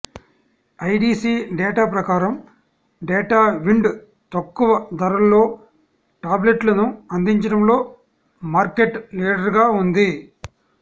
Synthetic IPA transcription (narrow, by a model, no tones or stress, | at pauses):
ɐjɖiːsiːɖɛːʈaːpɾɐkaːɾɐm | ɖeːʈaːʋiɳɖ | t̪ɐkːuʋɐd̪ʱɐɾɐlːo̞ː | ʈaːble̞ʈlɐnuɐnd̪iɲt͡ʃɐɽɐmlo̞ː | maːɾkeʈliːɖɐɾɡaːund̪i